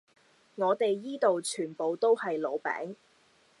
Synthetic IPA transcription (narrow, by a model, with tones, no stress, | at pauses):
ŋɔː˨˧t̪e˨jːiː˥t̪o˨wt͡ʃʰyː˨˩npo˨wt̪o˥whɐ˨jlo˨˧wpɛ̰ː˨˥ŋ